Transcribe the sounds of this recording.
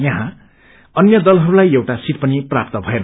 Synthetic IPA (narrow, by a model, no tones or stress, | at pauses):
jʌɦã | ʌnjʌd̪ʌlɦʌɾulajewʈasit̪̚pʌniprap̚t̪ʌbʱʌen